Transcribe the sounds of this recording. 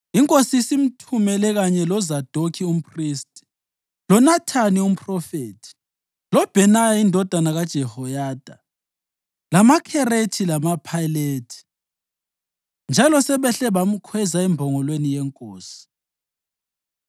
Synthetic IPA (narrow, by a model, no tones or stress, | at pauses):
iŋkʼosisim̩tʰumɛlɛɣaɲɛlɔzad̥ʱokʰium̩pʰʼristʼi̥ | lɔnatʰanium̩pʼrɔfeːtʰi̥ | lɔb̥ʱɛnajaindʱɔd̥ʱanaɣad̥ʒ̥ʱɛhɔjaːd̥ʱa | lamakʰɛretʰilamapʰajleːtʰi̥ | nd͡ʒʱalɔsɛβɛɬɛβam̩kʰwɛzaɛmbʱɔŋɔlwenijɛŋkʼoːsi̥